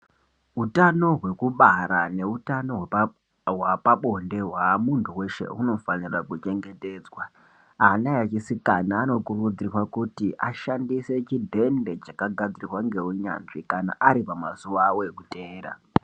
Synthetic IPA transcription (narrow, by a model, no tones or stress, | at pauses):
ɦutano̞ɦwe̞kuɓaɾane̞utano̞w | ɦwapaɓo̞nde̞ɦwamuntʰuwe̞ʃe̞̰uno̞fanirakut͡ʃe̞ŋɡe̞te̞ːd͡zwa | anajat͡ʃisikanaːno̞kurud͡zirwakutiʔaʃandise̞t͡ʃidʱe̞nde̞t͡ʃakaɡʱad͡zirirwaŋɡe̞uɲa̰nʐikana̰ʔaɾipamazuʋawoekute̞ːɾa̰